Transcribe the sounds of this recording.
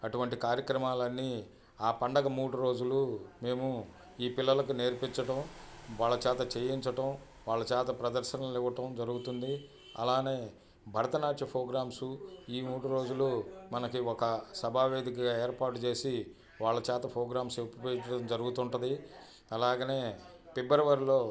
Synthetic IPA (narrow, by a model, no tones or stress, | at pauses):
ɐʈuʋɐɳʈikaːɾjɐkɾɐmaːlɐnːi | aːpɐɳɖɐɡɐmuːɽuɾo̞ːd͡ʒulume̞ːmu | iːpilːɐlɐkune̞ːɾpiɲt͡ʃɐʈɐmʋaːɭːɐt͡ʃaːt̪ɐt͡ʃeːjiɲt͡ʃɐʈɐm | ʋaːɭːɐt͡ʃaːt̪ɐpɾɐd̪ɐɾʃɐnɐiʋɐʈɐmd͡ʒɐɾuɡut̪und̪i | ɐ̰laːne̞ː | bʱɐɾɐt̪ɐnaːt͡ʃɐpʰoːɡɾaːmsuiːmuːɽuɾo̞ːd͡ʒulumɐnɐkiɔkɐsɐbʱaːʋe̞ːd̪ikɐɡaːeːɾpaːʈut͡ʃe̞ːsi | ʋaːɭːɐt͡ʃaːt̪ɐpʰoːɡɾaːmseppeɐʈɐmd͡ʒɐɾuɡut̪uɳʈɐnd̪i | ɐlaːɡɐneːpibɐɾɐʋɐɾlo̞ː